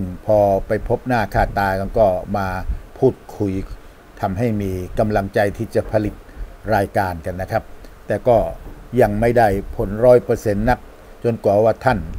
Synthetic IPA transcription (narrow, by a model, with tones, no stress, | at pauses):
ɯ˥˩ŋpʰɔː˧pa˧jpʰo˦˥p̚naː˥˩kʰaː˥˩t̪ːaː˧ka˧nkɔː˥˩maː˧pʰuː˥˩t̪̚kʰu˧j | t̪ʰa˧mɦa˥˩jmiː˧ka˧mla˧ŋt͡ɕa˧jt̪ʰiː˥˩t͡ɕa˨˩pʰa˧li˨˩t̪̚ɾaː˧jkaː˧nka˧nːa˦˥kʰa˦˥p̚t̪ɛː˨˩kɔː˥˩ja˧ŋma˥˩jda˥˩jpʰo˨˩˦nɾɔː˦˥jpɤː˧se˧nːa˦˥k̚ | t͡ɕo˧nkwaː˨˩˦waː˥˩t̪ʰa˥˩n